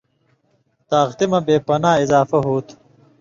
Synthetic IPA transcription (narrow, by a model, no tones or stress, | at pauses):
t̪aːɣt̪imɐbeːpɐnaːizaːfɐɦuːt̪